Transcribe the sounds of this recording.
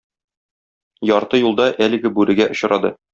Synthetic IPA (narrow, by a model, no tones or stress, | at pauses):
jɒɾt̪ɤjulˠd̪ɑʔælɘ̆ɡɘbʉɾɘ̆ɡæʔŏɕ̆ɾɑd̪ɤ